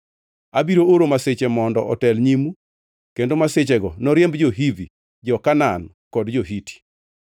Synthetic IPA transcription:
abiɾooɾomaset͡ʃemɔndɔʔɔtɛlɲimu | kendomaset͡ʃɛɡɔnɔɾjɛmbd͡ʒoɦivi | d͡ʒɔkanan | kɔdd͡ʒoɦitʰi̥

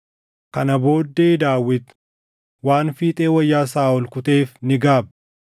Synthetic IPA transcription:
kɐnɐbo̞ːd̪ːeːd̪aːwːɪt̪ | waːnfiːt̪ʼe̞ːwɐjːaːsaːʊlkʊt̪e̞ːfnɪɡaːb

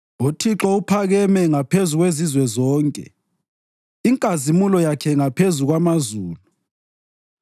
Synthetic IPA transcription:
utʰiǁɔupʰaɣɛmɛŋapʰezuɣwezizwɛzɔːŋkʼɛ̰ | iŋkʼazimulɔjakʰɛŋapʰezuɣwamazuːlu

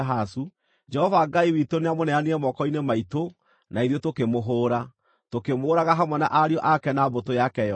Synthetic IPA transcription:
ɦasu | d͡ʒɛhɔvaɡaiwitoneamonɛaniɛmɔkɔinemaito | naiðjotokemoɦoːɾa | tokemoːɾaɣaɦamwɛnaʔaɾiɔʔakɛnabotojakɛɔ

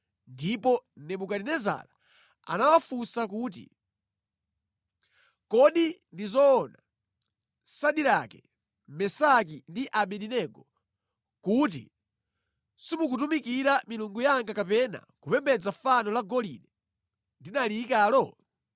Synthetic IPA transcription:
ndipɔnɛmukaɾinɛza̰la | a̰nawafusak̬uːt̬ḭ | kɔɗindizɔːna | saɗiɾakɛ | mɛsakindiʔaɓɛɗinɛɡɔ | kut̬ḭ | simuk̬utumikiɾamiluŋɡujaŋɡakapɛna̰kupɛmbɛd͡zafanɔlaɡɔlḭnɛ | ndinalikaːlɔ

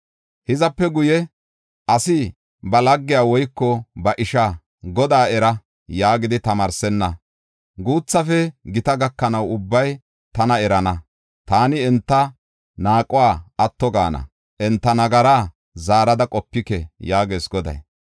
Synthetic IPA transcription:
hɪzɐpːɛɡʊjɛ | ʔɐsɪ | bɐlɐɡːɪjaːwɔjkːɔbɐʔɪʃa | ɡɔd̪aːɛɾɐ | jaːɡɪd̪ɪt̪ɐmɐɾsɛnːɐ | ɡuːt͡sːɐfɛɡɪt̪ɐɡɐkːɐnɐwʊbːɐj | t̪ɐnɐɛɾɐnɐ | t̪aːnɪɛnt̪ːɐ | naːkʼʊwaːɐt̪ːɔɡa̰ːnɐ̰ | ʔɛnt̪ːɐnɐɡɐɾaː | zaːɾɐd̪ɐkʼɔpːɪkɛjaːɡe̞ːsɡɔd̪ɐ̰j

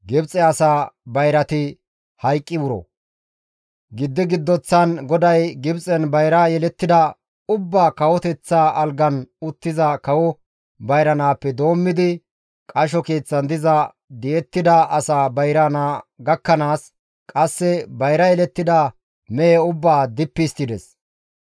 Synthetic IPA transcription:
ɡɪbt͡sʼɛɐsaːbɐjɾɐt̪ɪ | hɐjkʼːɪwʊɾɔ̰ | ɡɪd̪ːɪɡɪd̪ːɔt͡sːɐnɡɔd̪ɐjɡɪbt͡sʼɛnbɐjɾaːjɛlɛt̪ːɪd̪ɐ | ʊbːaːkɐwɔt̪ɛt͡sːaːɐlɡɐnʊt̪ːɪzɐkɐwɔ | bɐjɾɐnaːpːɛd̪o̞ːmːɪd̪ɪ | kʼɐʃ̬ɔkeːt͡sːɐnd̪ɪzɐ | d̪ɛɛt̪ːɪd̪ɐʔɐsaːbɐjɾɐnaːɡɐkːɐnaːs | kʼɐsːɛbɐjɾɐjɛlɛt̪ːɪd̪ɐ | mɛjɛʊbːaːd̪ɪpːɪst̪ɪd̪ɛs

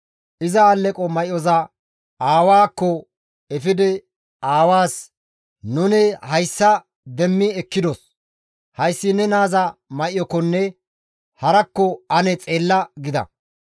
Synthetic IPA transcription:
ʔɪzɐalːɛkʼɔmɐʔjɔzɐ | aːwaːkːɔ | ɛfɪd̪ɛ | aːwaːs | nʊnɛhɐjsːɐ | d̪ɛmːɪɛkːɪd̪ɔs | hɐjsːɪnɛnaːzɐmɐʔɪjɔkːɔnːɛ | hɐɾɐkːɔɐnɛt͡sʼe̞ːlːɐɡɪd̪ɐ̰

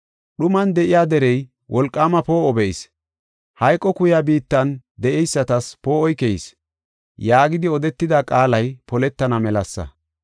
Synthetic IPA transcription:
ɗʊmɐnd̪ɛʔɪjaːd̪ɛɾɛj | wʔɔlkʼːaːmɐpo̞ːʔɔbɛʔɪs | hɐjkʼːɔkʊjabiːt̪ːɐnd̪ɛʔɛjsːɐt̪ɐspo̞ːʔɔjkɛjɪs | jaːɡɪd̪ɪɔd̪ɛt̪ːɪd̪ɐkʼaːlɐjpɔlɛt̪ːɐnɐmɛlɐsːɐ̰

